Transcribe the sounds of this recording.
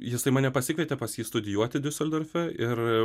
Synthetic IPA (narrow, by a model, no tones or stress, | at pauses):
jɪsɐɪmɐːnʲɛpɐsʲɪkʋʲɛt̪ʲɛpɐsjiːst̪ʊd̪ʲɪjuɔt̪ʲɪd̪ʲɪsʲɛlʲd̪ɐɾʲfʲɛʔɪr